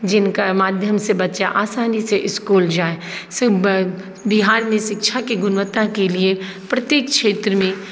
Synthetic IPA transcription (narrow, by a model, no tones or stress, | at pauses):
d͡ʒɪnkamaːd̪ʱjəmsebɐtːʃaʔaːsaːniseʔɪskuːld͡ʒaːes | bɪɦaːɾniʃɪkʃʰakiɡʊnʋət̪ːãkelie | pɾɐt̪jeːkkʃeːt̪ɾəmẽ